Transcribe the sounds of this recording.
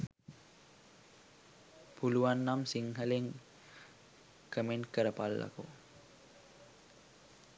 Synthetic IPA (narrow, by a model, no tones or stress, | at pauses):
pʰuluanːamsiŋɦəleŋ | kəmenkəɾəpalːa̰ko̰